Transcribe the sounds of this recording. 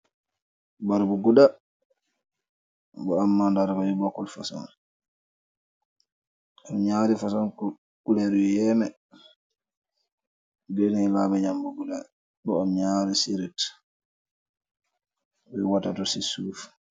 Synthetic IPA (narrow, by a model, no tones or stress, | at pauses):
baɾbuɡuda | bɔamːandaɾkajibɔkːɔlfasɔ̰n | amɲaɾifasɔnkɔ | kulɛɾjjɛmɛ | bɛnilabaɲambuɡuda | ɗɔamɲaɾisiɾit | wɛwatatɔsisuf